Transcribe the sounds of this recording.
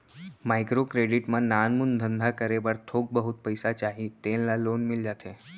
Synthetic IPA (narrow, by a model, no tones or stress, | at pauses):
majkɾokɾeɖiʈmãnanmund̪ʱənd̪ʱakəɾebəɾt̪ʰoɡ̚bəɦut̪̚pəjsat͡ʃaɦit̪ellalonmɪld͡ʒat̪ʰe